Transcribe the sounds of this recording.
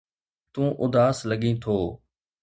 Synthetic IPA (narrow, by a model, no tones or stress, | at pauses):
t̪ũːʔʊd̪aːsləɠĩːt̪ʰoː